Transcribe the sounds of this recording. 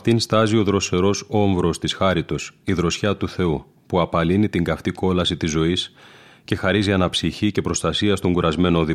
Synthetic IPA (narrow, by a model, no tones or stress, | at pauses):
ɐft̪inst̪ɐzio̞ðɾo̞se̞ɾo̞so̞ɱvɾo̞st̪isxɐɾit̪o̞siðɾo̞sçɐt̪uθe̞u | puɐpɐlinit̪iŋɡɐft̪iko̞lɐsit̪izːo̞is | ce̞xɐɾiziɐnɐpsiçice̞pɾo̞st̪ɐsiɐst̪o̞ŋɡuɾʔɐzme̞noði